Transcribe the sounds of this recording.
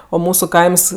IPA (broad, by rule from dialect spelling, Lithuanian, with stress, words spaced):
oː ˈmuːsʊ ˈkɐɪms